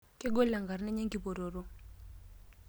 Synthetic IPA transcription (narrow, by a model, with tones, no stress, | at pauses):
ke˦ɡo˦la˨ŋɡa˨ɾnɛ˦ɲe˦ŋɡi˨bo˨ɾo˨ɾo˦